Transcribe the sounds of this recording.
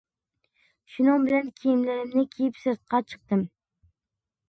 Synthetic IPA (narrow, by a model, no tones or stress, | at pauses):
ʃʊnɑŋbɪlankʲʰejɪmlaɾɪmnɪkʲʰejɪpsɪɾt̪̚qʰɑt͡ʃʰɨ̥q̚t̪ɪm